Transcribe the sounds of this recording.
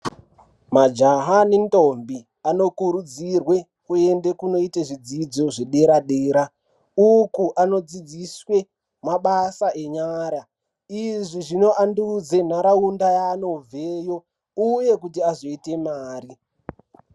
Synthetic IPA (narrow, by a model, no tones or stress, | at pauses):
mad͡ʒaɦaninto̞mbi | ano̞kuɾud͡zirwe | kue̞nde̞kuno̞iteʐid͡zid͡zo̞ʐeɗe̞ɾaɗeːɾa | ukuʔano̞d͡zid͡ziswe | maɓasaʔe̞ɲaːɾa | iʐiʐino̞ʔandud͡ze̞n̤aɾaundajaːno̞b͡veːjo̞ | uje̞kutiazoite̞maːɾi